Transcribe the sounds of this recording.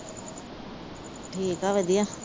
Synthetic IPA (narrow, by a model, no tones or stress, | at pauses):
ʈʰiːkaːʋəd̪ijã